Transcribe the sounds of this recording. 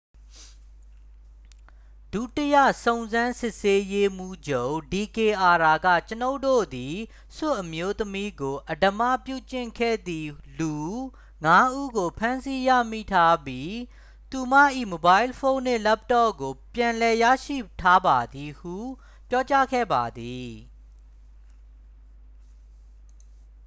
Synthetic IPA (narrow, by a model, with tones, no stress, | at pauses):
d̥u˦˨tə˦jä̰˦˨sõ˨ʊ̃nzã˦nsɪ˦˨ʔse˦je˦m̥u˦˨d͡ʑõ˦˨di˨ke˨ʔa˨ɹa˨ɡä̰˦˨t͡ɕəno˦ʊ̃to̰˦˨d̪i˨ | sʊ˦˨ʔəmjo˦t̪əmi˦ɡo˨ʔədə˨ma̰˦˨pjṵ˦˨t͡ɕɪ̃˦˨ŋkʰɛ̰˦˨d̪ḭ˨lu˨ | ŋa˦ʔu˦ɡo˨pʰã˦nsi˦ja̰˦˨mḭ˦˨tʰa˦bji˦ | t̪u˨ma̰˦˨ʔḭ˦˨mo˨ba˦ɪ˦lfʰõ˦ʊ̃n̥ɪ̰̃˦˨lɛ˦p̚tɔ˦˨ɡo˨pjã˨lɛ˨ja̰˦˨ʃḭ˦˨tʰa˦ba˨d̪i˨hṵ˦˨ | pjɔ˦t͡ɕa˦ɡʰɛ̰˦˨ba˨d̪i˨